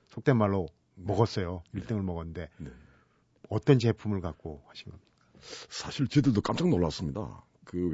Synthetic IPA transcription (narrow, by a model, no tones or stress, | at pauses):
sʰok̚t͈emaɭːo | mʌɡʌs͈ʌjoiɭt͈ɯŋɯɭmʌɡʌnnde̞ne | ʌt͈ʌnt͡ɕe̞pʰumɯɭkak̚k͈ohaɕʰinɡʌmɲid̥a | sʰaɕʰiɭt͡ɕedɯɭdok͈amt͡ɕ͈aŋnʌɭːas͈ɯmɲida̰ | kɯ